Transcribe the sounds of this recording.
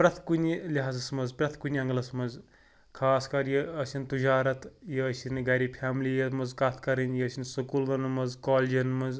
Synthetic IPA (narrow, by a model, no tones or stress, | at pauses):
pɾɐt̪ʰkunʲilʲɐɦaːzɐsmɐzpɾɐt̪ʰkunʲiɐŋɡɐlɐsmɐnz | kʰaːskɐɾjiɐsʲint̪ud͡ʒaːɾɐt̪jiɐsinɡɐɾipʰjaːmliːjɐt̪mɐzkɐt̪ʰkɐɾɐnʲjiɐsʲinsɐkuːld̪ɐnmɐzkoːlʲd͡ʒɐnmɐnz